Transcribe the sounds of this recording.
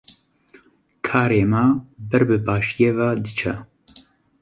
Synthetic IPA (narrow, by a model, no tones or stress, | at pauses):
kʰaːɾeːmaːbɛɾbɨbɑːʃjeːvaːd̪ɨt͡ʃʰɛ